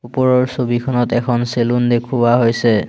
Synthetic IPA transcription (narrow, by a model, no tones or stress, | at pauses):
upɔɹɔɹsobikʰɔnɔtɛkʰɔnselundekʰuwaɦojsɛ